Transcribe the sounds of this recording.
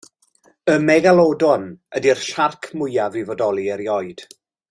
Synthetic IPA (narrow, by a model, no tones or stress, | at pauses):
əmɛɡalˠɔdɔnədir̥ʃarkʰmʊjavɪvɔdɔlˠiɛɾjɔɨd̥